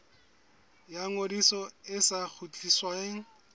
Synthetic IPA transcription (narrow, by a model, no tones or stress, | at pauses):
jaŋodisɔɪsak͡xʰut͡ɬʼiswaeŋ̩